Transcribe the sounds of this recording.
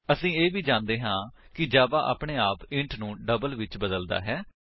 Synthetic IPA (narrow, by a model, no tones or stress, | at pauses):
əsĩːeːʋiːd͡ʒãːnd̪eːɦãːkɪd͡ʒaːbaːʔa̰ːpɳeːaːpɪ̃ɳʈʰnũːɖəbəlʋɪt͡ʃbəd̪əld̪a̰ːɦɛː